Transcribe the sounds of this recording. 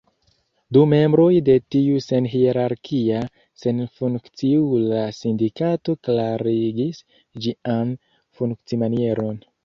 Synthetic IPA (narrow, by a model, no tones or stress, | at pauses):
dume̞mbɾo̞jde̞tiuse̞nɦieɾaɾkʰia | se̞nfuŋkt͡siulasindikato̞klaɾiɡis | d͡ʒian | fuŋkt͡simanie̞ɾo̞n